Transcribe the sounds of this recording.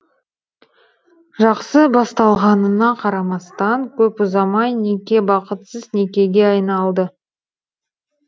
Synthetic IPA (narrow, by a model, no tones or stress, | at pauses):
ʒɑqsəbɑst̪ɑlˠʁɑnənɑqʰɑɾɑmɑst̪ɑŋkʲʰɵpʊzɑmɑjne̞kʲe̞bɑqət̪səzne̞kʲe̞ɡʲe̞ɑjnɑlˠd̪ə